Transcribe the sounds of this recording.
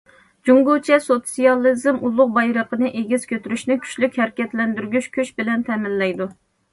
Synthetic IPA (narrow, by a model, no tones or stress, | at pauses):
d͡ʒuŋɡut͡ʃʰɛsot̪sijɑlˠːɨzɨmʔulˠːʊq̚bɑjɾəqənɨʔeɡʲiz̥kʲʰøt̪yɾyʃnɪkʲʰy̥t͡ʃlykʲhɛɾkʲɛt̪lɛnd̪yɾɡʲyʃkʲʰyʃbɪlɛnt̪ʰɛmɪlːɛjd̪u